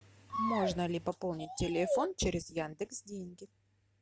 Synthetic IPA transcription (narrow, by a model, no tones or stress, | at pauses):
mo̞ʐnəlʲɪpɐpo̞lˠnʲɪt̚ʲtʲːɪlʲɪfo̞nt͡ɕeɾʲɪzjand̪ɨksdʲenʲɡʲɪ